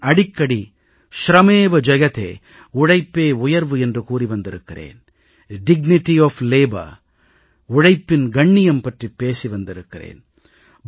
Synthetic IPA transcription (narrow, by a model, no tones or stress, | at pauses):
ɐɽɪkːɐɽi | ʃɾɐmeːʋɐd͡ʒɐjɐt̪ḛː | ʊɽɐɪpːeːʊjɐɾʋɯɛndrɯkuːriʋɐnd̪ɪɾɯkːɪrḛːn | ɖɪɡ̚nɪʈiɔːfleːbɐ̰ɾ | ʊɻɐɪpːɪnɡɐɳːɪjɐmpɐʈripːeːsiʋɐnd̪ɪɾɯkːɪrḛːn